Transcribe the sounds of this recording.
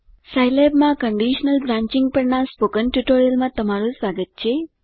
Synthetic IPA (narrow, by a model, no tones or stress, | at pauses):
sajlebmãkəɳɖiʃnəlbɾãːɲt͡ɕiŋɡ̚pəɽɳaspokənʈuʈoɾijəlmãt̪əmaɾusʋaɡət̪̚t͡ɕe